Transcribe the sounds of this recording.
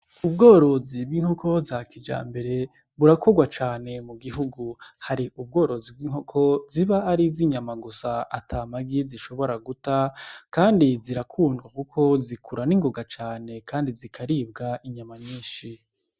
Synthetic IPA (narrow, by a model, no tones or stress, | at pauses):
ubɡo̞ːɾo̞zib̚ɡiːŋ̥hokʰo̞zakid͡ʒa̰ːmbe̞ɾe̞ | βuɾako̞ɡwat͡ʃaːne̞muɡiɦuɡuhaɾiʔub̚ɡo̞ːɾo̞zib̚wiːŋhokʰo̞ziβaːɾiziɲamaɡusaa̰tʰamaɡiziʃo̞βo̞ɾaɡutakaːndiziɾakʰuːndɡwakukʰo̞zikʰuɾaniŋɡo̞ɡat͡ʃaːne̞kaːndizikʰaɾiːb̚ɡaʔiɲamaɲiːʃi